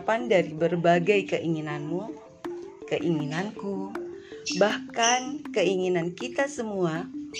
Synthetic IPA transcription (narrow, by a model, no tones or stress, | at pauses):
pandaɾibərbaɡajkəʔiŋinanmu | kəʔiŋinanku | bahkankəiŋinankit̪asəmua